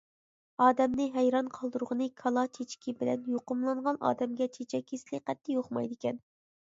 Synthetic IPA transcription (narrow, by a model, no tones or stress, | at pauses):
ɑːd̪ɛmnɨɦɛjɾɑnqʰɑlˠd̪uɾʁənɨkʰɑlˠɑt͡ʃʰet͡ʃʰkʲʰibɪlɛ̰njoqʊmlˠɑɴʁɑnʔɑ̰ːd̪ɛmɡʲɛt͡ʃʰet͡ʃʰɛkʲeslɪqɛt̪ʰːɪjoχmɑ̰jd̪ɪkʲɛn